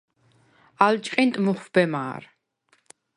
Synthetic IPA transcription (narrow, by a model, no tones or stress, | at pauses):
alt͡ʃʼqʼintʼmɨχʷb̥ɛma̰ːr